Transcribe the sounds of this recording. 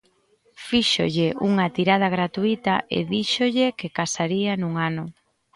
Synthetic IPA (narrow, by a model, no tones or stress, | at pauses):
fiʃo̰ʎɪʔuŋat̪iɾað̞aɣ̞ɾat̪uit̪aḛðiʃoʎɪkekasaɾianuŋanʊ